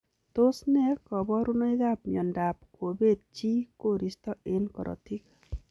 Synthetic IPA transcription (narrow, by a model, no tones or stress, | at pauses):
t̪osnɛkɔbɔɾunɔjd̪ap̚mjɔnɖap̚kobet̪̚t͡ʃikoɾist̪ɔenkɔɾɔ̰t̪ʰik